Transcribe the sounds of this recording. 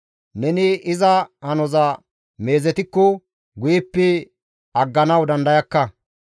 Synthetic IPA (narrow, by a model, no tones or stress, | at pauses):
nɛnɪɪzɐhɐnɔzɐ | me̞ːzɛt̪ɪkːɔ | ɡʊjɪpːɪ | ɐɡːɐnɐwd̪ɐnd̪ɐjɐkːɐ